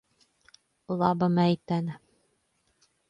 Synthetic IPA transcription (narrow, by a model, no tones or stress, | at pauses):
lˠɑbɤ̆mæit̪ænɘ